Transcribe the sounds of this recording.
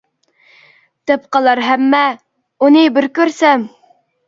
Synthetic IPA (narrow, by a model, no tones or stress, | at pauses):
t̪ɛpqɑlˠɑɾɦɛmːɛ | unɨbɪɾkʲøɾsɛm